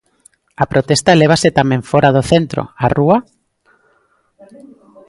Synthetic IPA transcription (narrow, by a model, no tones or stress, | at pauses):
apɾot̪est̪aleβ̞aset̪amẽɱfoɾaðoθent̪ɾo̰arua